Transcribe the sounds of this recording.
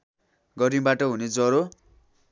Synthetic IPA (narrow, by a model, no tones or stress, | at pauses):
ɡʌɾĩbaʈʌɦuned͡zʌɾo